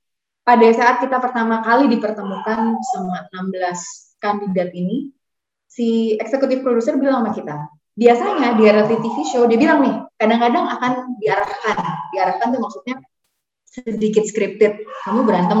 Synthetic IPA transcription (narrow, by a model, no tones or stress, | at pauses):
padasaːt̪̚kit̪apərt̪amakalidipərt̪əmukansəmuaənambəlas | kandidat̪ini | siɛksəkut̪ɪfpɾodusərbilaŋmahkit̪a | biasaɲadiaɾat̪it̪ifiʃod͡ʒabilaŋnɪhkadaŋkadaŋakandiaɾahkandiaɾahkant̪umaksut̪̚ɲa | sədikɪt̪̚skɾɪp̚t̪ɪt̪̚kamubəɾant̪a